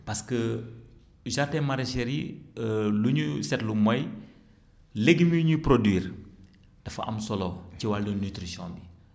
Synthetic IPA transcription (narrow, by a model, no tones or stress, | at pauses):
pɐskə | ʒatɛmɐɾɛʃɛɾi | luɲusɛtlumɔj | leɡimiɲuprodwiːr | d̥ɐfɐ̰ʔɐ̰msɔlɔciwaldənytɾisɔ̰̃nbi